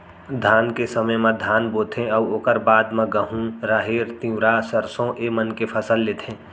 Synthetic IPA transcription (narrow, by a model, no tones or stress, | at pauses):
d̪ʱaːnkesəməjmẽd̪ʱaːnboːt̪ʰẽɔʊoːkəɾbaːd̪mẽɡəɦũɾaːɦeːɾt̪ĩɾasəɾsõʔemənkepʰəsəlːeːt̪ʰẽː